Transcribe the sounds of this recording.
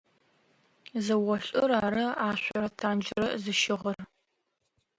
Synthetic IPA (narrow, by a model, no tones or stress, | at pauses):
zɐwɔɬʼɨɾaːɾɐaːɕʷɔɾɐtʰaːnd͡ʒɪɾɐzɨʃɪʁɐr